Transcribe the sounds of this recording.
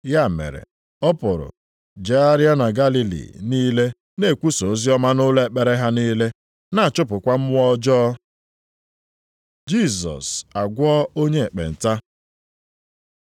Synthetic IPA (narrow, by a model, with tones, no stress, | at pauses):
ja˦˨mḛ˨ɾḛ˨ | ɔ˦pʊ˨ɾʊ̰˨ | d͡ʒe˨a˦ɾja˦na˨ɡa˦li˦lḭ˨niː˦le˦ | ne˦˨kʷu˦so˨˦zi˦ɔ˦ma˦nʊ˦le˦k͡pe˦ɾe˦ɦa˦niː˦le˦ | na˨a˨t͡ʃʊ˦pʊ˨kʷa˦m̩˦wɔ˦d͡ʒɔː˦ | d͡ʒi˦˨sɔ̰˨sa˨ɡʷɔ˦o˦ɲe˦e˨k͡pḛ˨n̩˨ta˦